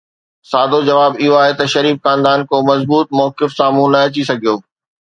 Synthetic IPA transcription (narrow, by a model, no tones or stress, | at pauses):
saːd̪ʱod͡ʑɐʋaːbɪɦoaːɦet̪ɐʃɐɾiːfxãːnd̪aːnkomɐzbuːt̪̚mɔːkɪfsaːm̤ũnɐɐt͡ɕisɐɡʱijoː